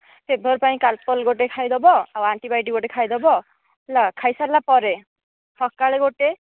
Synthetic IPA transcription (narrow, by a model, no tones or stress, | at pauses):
pʰebʱɔɾpaĩkalpɔlɡoʈ̬ekʰajd̪ɔbɔawaɳʈibajʈiɡoʈekʰajd̪ɔbɔ | elakʰajsalapɔɾe | hɔkkaɭeɡoʈe